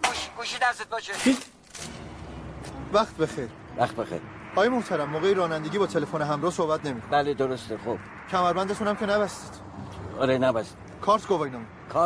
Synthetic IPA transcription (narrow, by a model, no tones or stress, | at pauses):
ɡuʃiɡuʃid̪æset̪̚bɔt͡ʃei | væχt̪ʰbe̞xeɾ | væxt̪̚bexḛɾ | ɒːjemoht̪ʰæɾæmːoːɣejiɾɒːnænd̪e̞ɡiːbɒːt̪ʰelefoneɦæmɾɒːhsohbæt̪ʰne̞mikʰobæled̪oɾost̪exob̥̚ | cʰæmæɾbænd̪æt̪ʰunæmkʲʰe̞næbæsi̥ːt̪ | ɒɾenæbæsi̥ | kʰɒːɾt̪ʰɡovɒjnɒːmi | kʰɒ